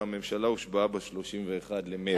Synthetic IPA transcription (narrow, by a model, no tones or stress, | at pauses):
ame̞mʃalauʃbaabaʃlo̞ʃimveːχad̪leme